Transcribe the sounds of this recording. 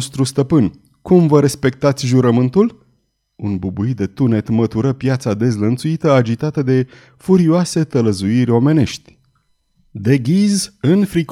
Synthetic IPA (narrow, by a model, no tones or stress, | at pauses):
st̪ɾust̪əpɨnʲ | kumvəɾe̞spe̞k̚t̪at̪sʲʒuɾəmɨnt̪ul | unbubuit̪̚d̪e̞t̪une̞t̪mət̪uɾəpjat̪sad̪e̞zlənt̪suit̪əad͡ʒit̪at̪əd̪e̞ | fuɾioase̞t̪ələzuiɾʲo̞me̞ne̞ʃt̪ʲ | d̪e̞ɡʲizɨnfɾik